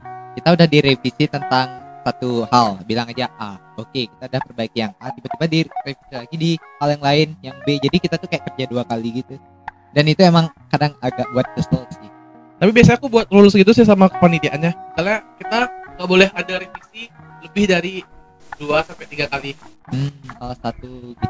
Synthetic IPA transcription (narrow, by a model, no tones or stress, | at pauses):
kit̪audahdiɾefisit̪ənt̪aŋsat̪uhalbilaŋad͡ʒaʔa | okeki̥t̪audahpərbaɪkjaŋad̪ibət̪ubadirefi̥silaɡidihaljaŋlaɪnjaŋbed͡ʒadikit̪at̪ukajaʔkərd͡ʒaduakaliɡit̪u | danit̪uemaŋkadaŋaɡaʔ̚buat̪̚kəst̪ɔlsɪh | t̪apibias̬aakubuat̪̚ɾulʊsɡit̪̬us̬ɪs̬amakəpanit̪iʔanɲakalakit̪aŋɡaʔbolɛhadaɾefisi | ləbɪhdaɾi | duasampɛt̪iɡakalim̩salasat̪uɡit̪